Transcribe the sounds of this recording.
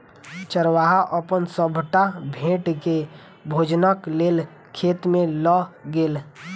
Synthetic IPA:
t͡ʃəɾwaːɦaʔəpənsəbʱʈabʱẽːʈke | bʱoːd͡ʒnakleːl | kʰeːt̪mẽlɔɡeːl

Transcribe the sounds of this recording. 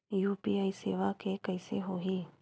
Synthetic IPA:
juːpiːaːiseːʋakekəɪseɦoːɦiː

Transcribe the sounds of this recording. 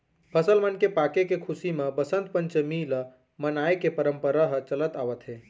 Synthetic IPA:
pʰəsəlmənkepakekekʰusimebəsənt̪̚pənt͡ʃəmilə | mənajkepəɾəmpəɾaɦt͡ʃələt̪aʋət̪ɦe

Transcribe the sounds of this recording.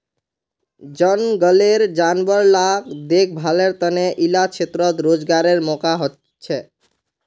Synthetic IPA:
d͡ʒʌnɡʌleɾd͡ʒanbɔɾlakd̪ek̚ʰbʱaleɾt̪əneʔilat͡ʃʰet̪ɾɔt̪ɾod͡ʒɡaɾeɾmɔkaɦot̪ | t͡ʃʰɛ

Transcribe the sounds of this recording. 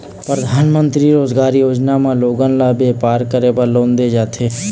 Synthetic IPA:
pɾəd̪ʱaːnmə̃nt̪ɾiɾoːzɡaːɾijoːd͡ʒnamãloːɡə̃nlabeːpaːɾkəɾeːbəlõːnd̪ed͡ʒaːt̪ʰeː

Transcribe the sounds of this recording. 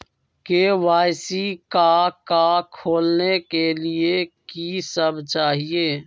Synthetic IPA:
keʋaːjsikakakʰoːlnekeliekisəbt͡ʃaːɦieː

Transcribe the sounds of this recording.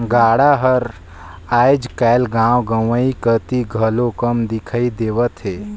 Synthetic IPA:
ɡaːɽaɦəɾ | aːjd͡ʒkajlɡãːwɡəʋəikət̪iɡʱəlokəmd̪ɪkʰaid̪eʋət̪ɦeː

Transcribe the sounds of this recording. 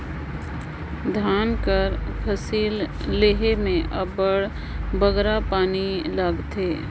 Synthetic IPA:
d̪ʱaːnkəɾpʰəsiːlː | eɦemẽʔɐbəɽ | bəɡɾapaːniləɡt̪eː

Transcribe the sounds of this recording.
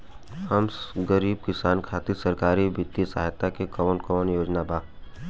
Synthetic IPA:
hɐmɡəɾiːb̚kɪsaːnkʰaːt̪isəɾkaːɾibɪt̪ːisaɦjt̪akekɔnkɔnjoːd͡ʒnabʱaː

